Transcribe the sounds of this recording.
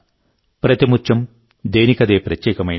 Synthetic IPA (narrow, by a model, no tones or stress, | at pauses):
pɾɐt̪imut͡ʃːɐm | d̪eːnikɐd̪eːpɾɐtːjeːkɐmɐj